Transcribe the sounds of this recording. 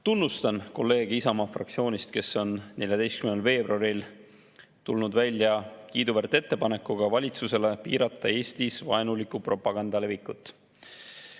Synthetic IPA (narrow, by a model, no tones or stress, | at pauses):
t̪unːust̪ɑnko̞lːe̞ːɡ̥isɑmɑːfrɑ̰k̚t̪sio̞ːnʲist̪ke̞sːo̞nne̞lʲjɑd̪ejst̪kymnelve̞ːbruɑɾil | t̪ulnud̪vælʲːjɑkiːd̪uvært̪e̞t̪ːe̞pɑne̞kːˑuɡ̥ɑvɑlʲit̪suse̞le̞pḭːɾɑt̪ːˑɑe̞ːst̪isvɑenulikːˑupro̞pːˑɑɡ̥ɑnd̪̥ɑle̞vikːˑut̪ːˑ